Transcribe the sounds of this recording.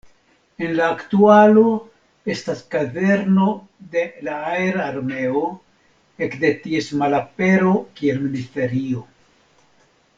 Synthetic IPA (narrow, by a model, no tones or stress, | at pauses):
e̞nlaːktualo̞ | e̞staskaðe̞ɾno̞ | d̪e̞laaeɾaːɾme̞o̞ | ekd̪e̞tie̞smalape̞ɾo̞kie̞lministe̞ɾio̞